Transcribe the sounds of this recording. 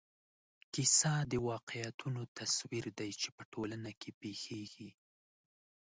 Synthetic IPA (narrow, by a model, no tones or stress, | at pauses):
kisɑd̪əwɑqejat̪ʰunot̪aswiɾd̪ajt͡ʃepəʈʰolanakʰepexeɡi